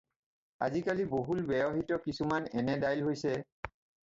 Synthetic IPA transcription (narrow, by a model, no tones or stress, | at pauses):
a̰zikaliboɦulbɛjɔɦitɔkisumanɛnɛdajlɦojsɛ